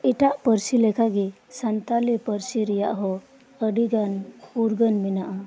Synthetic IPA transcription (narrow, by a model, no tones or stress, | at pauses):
iʈaʔpəɾsilekʰaɡi | sant̪alipəɾsiɾija̰ʔɦɔ | əɽiɡanuɾɡənminaʔa